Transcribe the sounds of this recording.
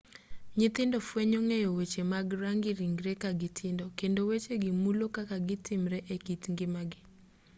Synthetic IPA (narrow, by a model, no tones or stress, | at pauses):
ɲɪt̪ɪndɔfweɲoŋejowet͡ʃemaɡɾaŋɡɪɾiŋɡɾɛkaɡɪtʰɪndɔkendowet͡ʃeɡɪmulokakaɡɪtɪmɾɛʔekitŋɡɪmaɡɪ